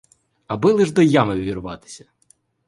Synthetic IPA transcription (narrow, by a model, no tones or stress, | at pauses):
ɐbɪlˠɪʒd̪ɔjamɪʋʲirʊʋɑt̪ɪ̥sʲɐ̥